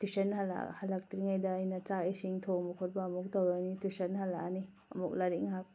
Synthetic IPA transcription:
tisɐnhala̰halak̚tɾiŋajdɐːjnɐt͡ʃaisiŋtʰomukʰɔt̚bɐːmuk̚tawɾanitusɐnhalaani | ɐ̰muk̚laɾiŋɦak̚

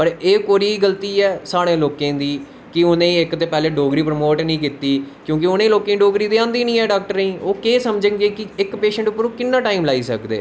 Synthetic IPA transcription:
pəɾeːkoːɾiːɡəlt̪iːɛːsaːɽẽːloːkẽːd̪iː | kɪʊnẽːiːɪkt̪eːpɛːleːɖoːɡɾiːpɾəmoːʈnĩːk̬it̪iːkjõːk̬ɪʊnẽːloːkẽːɖoːɡɾiːd̪eːãːnd̪iːnĩːɛːɖaːk̚ʈəɾeĩːoːkeːsəmd͡ʒə̃ɡeːkɪɪkpeːʃə̃ɳʈʊpːəɾũːkɪnːãːʈaːiːmlaːiːsə̰kd̪ḛː

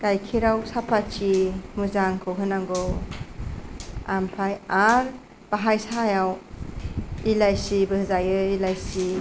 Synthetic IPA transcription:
kajkʰiɾawsapʰat͡ʃimuzaŋkʰɯwɦɯnaŋɡo | ampʰajaɾ | b̥aɦajsajaw | ilajsibɯhzajɯilajsi

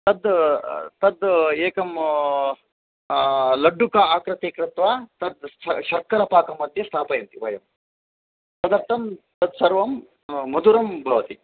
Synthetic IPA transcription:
t̪ɐd̪ | t̪ɐd̪eːkɐm | lɐɖːukaaːkɾɐt̪eːkɾɪt̪ʋaːt̪ɐd̪ʃɐɾkɐɾɐpaːkɐmɐd̪ʱjɐst̪ʰaːpɐjɐnt̪iʋɐjɐm | sɐd̪ɐɾt̪ʰɐmt̪ɐd̪sɐɾʋɐmː | ɐd̪uɾɐmbʱɐʋɐt̪i

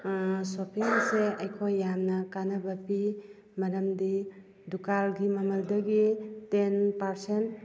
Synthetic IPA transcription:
sopʰiŋseɐjkʰojːamnɐkanɐbɐpi | mɐɾɐmdi | dukalɡimɐmɐldɐɡitenpaɾsent

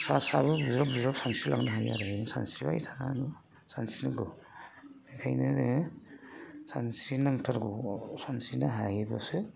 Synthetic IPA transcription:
sasabɯbuzɾap̚buzɾapsansila̰ŋnaɦaja̰ɾasa̰nsiba̰jtʰananu | sansinɯɡɔ | nikʰajneɾe | sansinaŋtʰaɾɡosansinaɦajebasɯ

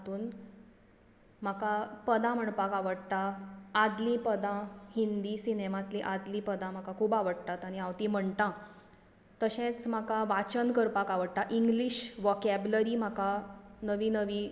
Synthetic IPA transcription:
t̪uːn | m̤akapəd̪ãm̤əɳpakaʋəɽt̪aːd̪lĩpəd̪ãhind̪iːsinemat̪liʔad̪liːpəd̪ãm̤akakʰuːbaʋəɽt̪at̪aɽ̃iawt̪im̤əɳt̪ã | t̪əɕẽt͡sm̤akaʋat͡ɕənkəɾpakaʋəɽt̪aʔiŋɡliɕʋɔkæbləɾiːm̤akanəʋiːnəʋiː

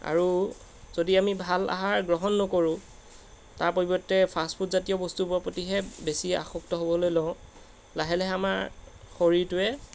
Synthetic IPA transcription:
a̰ɹu | zodiamibʱala̰ɦaɹɡɹɔɦɔnːɔkoɹʊ̃ | taɹpobɔtːɛpʰaspʰutzatijɔbɔstupʊapotiɦɛbesia̰xɔktɔɦobɔlojlɔʊ̃ | laɦɛlɛɦamaɹ | xoɹitʊɛ

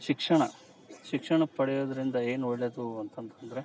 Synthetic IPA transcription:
ʃikʂɐɳɐ | ʃikʂɐɳɐpɐɽɛjoːd̪ɐɾind̪ɐe̞ːnuoɭːed̪uɐnt̪ɐnt̪ɐnd̪ɐɾe̞

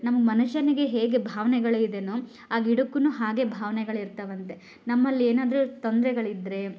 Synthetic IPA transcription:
nɐmɐɡmɐnuʃɐniɡe̞ɦeːɡe̞bʱaːʋɐnɛɡɐɭid̪enu | aːɡiɽukːunuɦaːɡe̞bʱaːʋɐnɛɡɐɭiɾt̪ɐʋɐnt̪e̞ | nɐmːɐlːieːnaːd̪ɐɾut̪ond̪ɾɛɡɐɭid̪ɾe̞

